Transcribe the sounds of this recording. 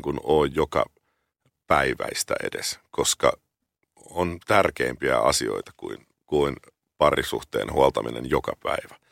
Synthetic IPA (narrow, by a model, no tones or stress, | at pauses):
ŋkunoːjjokɑ | pæiʋæist̪æḛdeskoskɑ | ont̪ærkeːmpiæɑsio̰it̪ɑ̥kuin | kuin | pɑrisuht̪ḛːnhuɑlt̪ɑminenjokɑpæiʋæ̥